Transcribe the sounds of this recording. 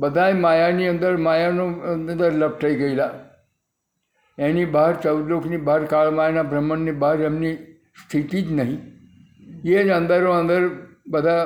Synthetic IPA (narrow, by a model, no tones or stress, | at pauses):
bəd̪ʱajmaːjaniːə̃nd̪əɾmaːjanõnnd̪əɾləp̚ʈəiɡəila | ãniːbaɦəɾt͡ʃəwd̪loːkʰniːbaəɾkaːɭmaːjanabɾəmːənːibaɦəɾjamni | st̪ʰit̪iːt̪nəɦĩ | jeə̃nd̪əɾõə̃nd̪əɾbəd̪ʱa